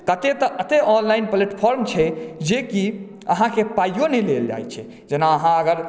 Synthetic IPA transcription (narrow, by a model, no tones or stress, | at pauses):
kət̪et̪əʔət̪eʔɔnlaɪnpleʈpʰɔɾmt͡ʃʰɛd͡ʒeki | ə̰ɦãkepajonɛleld͡ʒa̰jt͡ʃʰɛ̰ | d͡ʒenaəɦãəɡəɾ